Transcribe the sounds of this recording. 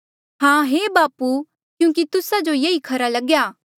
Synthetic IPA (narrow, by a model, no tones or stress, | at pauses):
ɦãːɦebaːpu | kjũːk̬it̪ʊsad͡ʒojeikʰɐɾalɐɡjaː